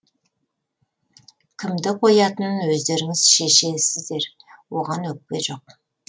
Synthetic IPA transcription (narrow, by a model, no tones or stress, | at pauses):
kʲʰɪmd̪ɪqʰo̞jɑt̪ənənwɵzd̪e̞ɾɪŋɪz̥ʃe̞ʃe̞sɪzd̪e̞ɾ | wo̞ʁɑnwɵk̚pʲe̞ʒo̞q̚